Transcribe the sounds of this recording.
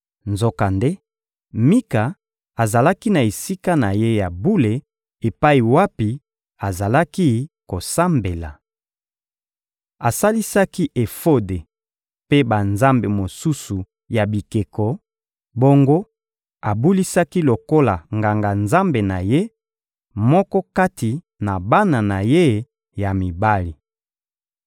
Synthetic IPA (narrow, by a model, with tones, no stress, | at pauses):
nzo˦ka˨nde˦ | mi˦ka˨ | a˨za˨la˦ki˦na˨e˨si˦ka˦na˨je˦ja˨bu˦le˨ | e˨pa˦i˨wa˦pi˨ | a˨za˨la˦ki˦ko˨sa˦mbe˨la̰˨ | a˨sa˦li˦sa˦ki˦ʔe˨fo˦de˨ | pe˦ba˨nza˦mbe˨mo˨su˦su˨ | ja˨bi˨ke˨kɔ˨ | bo˦ŋɡo˦ | a˨bu˦li˦sa˦ki˦lo˨ko˦la˨ŋɡa˨ŋɡa˨nza˦mbe˨na˨je˦ | mɔ˦kɔ˦ka˦ti˨ | na˨ba˦na˨na˨je˦ | ja˨mi˨ba˦li˨